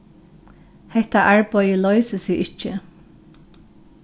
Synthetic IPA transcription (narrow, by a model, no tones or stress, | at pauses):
hɛht̪aʔaɹpɔʏjəlɔʏsəsiːʔɪt͡ʃə